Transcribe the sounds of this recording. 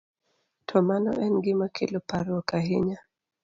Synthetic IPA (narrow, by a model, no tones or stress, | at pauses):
tʰɔmanɔ̰ʔɛnɡimakḭlɔpaɾɔkaɦiɲa